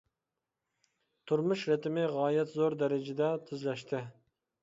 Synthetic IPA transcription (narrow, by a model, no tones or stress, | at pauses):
t̪ʰuɾmuʃɾɛt̪ɪmɪʁɑːjɛt̪zoɾd̪ɛɾɪd͡ʒɪd̪ɛt̪ʰyzlɛʃt̪ʰɪ